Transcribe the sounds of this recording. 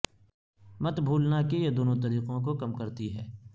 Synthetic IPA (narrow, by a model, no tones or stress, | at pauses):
mɐt̪bʱuːlnakejed̪oːnot̪ɐɾiːqõkokɐmkɐɾt̪iɦɛː